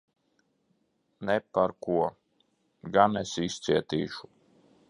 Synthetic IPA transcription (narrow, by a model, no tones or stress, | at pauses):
nɛpaɾkuɔ | ɡanesist̪siɛt̪ḭːʃu̥